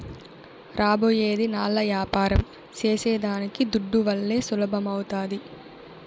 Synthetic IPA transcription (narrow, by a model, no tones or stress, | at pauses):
ɾʔaːbo̞ːje̞ːd̪inaːlːɐʋjaːpaːɾɐm | t͡ʃe̞ːseːd̪aːnikid̪uɖːuʋɐɭːe̞ːsulɐbʱɐmɐwt̪aːd̪i